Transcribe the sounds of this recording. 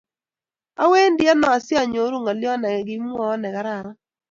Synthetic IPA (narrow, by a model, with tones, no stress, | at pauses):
a̰˦we˦ndɪ˦a˦nɔ˨a˨sja˦˨ɲo˨˦ɾo˦˨ŋa˨lɪ˦ɔ˦nɛ˨ɡɪ˦mwɔ˨˦nɛ˨ɡa˨˦ɾa˨ɾa˦